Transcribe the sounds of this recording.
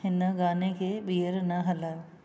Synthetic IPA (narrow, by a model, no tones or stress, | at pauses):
ɦɪnəɡaːnekʰeːɓijəɾnɐɦɐla